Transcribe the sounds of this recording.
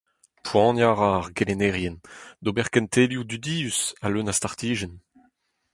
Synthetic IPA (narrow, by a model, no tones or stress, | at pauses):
pwɑ̃ːnjaʁaːʁɡelenɛʁjɛnd̪obɛʁkɛnt̪ʰeljud̪yd̪iːysalønastaʁt̪iːʒɛn